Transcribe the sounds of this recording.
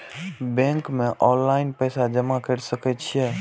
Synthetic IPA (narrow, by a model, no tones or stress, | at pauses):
bẽːŋkmẽʔɔ̃ːllaɪnpəjsad͡ʒəmakəɾsəkɛt͡ʃʰijɛ